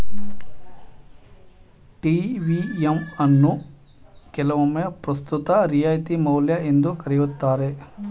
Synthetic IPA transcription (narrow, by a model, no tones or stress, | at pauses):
ʈiːʋiemɐnːu | kɛlɐʋɐmepɾɐst̪ut̪ɐɾijaːjt̪imɐwljɐend̪ukɐɾijut̪ːaːɾe